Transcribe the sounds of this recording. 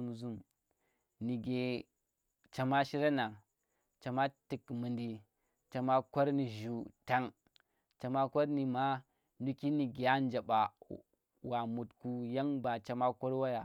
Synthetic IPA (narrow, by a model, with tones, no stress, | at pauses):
u˨mzu˦m | ni˨ɡe˨ | t͡ʃa˨ma˦ʃi˦ɾa˦na˨ŋ | t͡ʃa˨ma˦ti˨kmu˨ndi˨ | t͡ʃa˨ma˦kʷa˦ɾni˨ʒu˨ta˦ŋ | t͡ʃa˨ma˦kʷo˦ɾni˨ma˦ | nu˦ki˦ni˨ɡe˨a˦n˦d͡ʒa˨ɓa˨ | wa˨mu˨tku˦ja˦ŋba˨t͡ʃa˨ma˦ko˦ɾwa˦ja˨